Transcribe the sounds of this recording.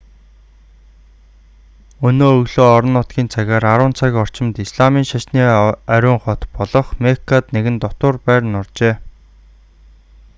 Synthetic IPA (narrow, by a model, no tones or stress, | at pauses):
ɵnoːɵɣɮoːɔɾɞ̆nːʊt̪ɡʲiːnt͡sʰaɣʲaːɾaɾʊːnt͡sʰakʲɔr̥t͡ɕɪ̆mt̪isɮamiːŋʃaʃniːæɾʲʊːŋχɔt̪pɔɮɞ̆χmekʰat̪neɣɘ̆nt̪ɔt̪ʊːrpæːrnʊrt͡ɕeː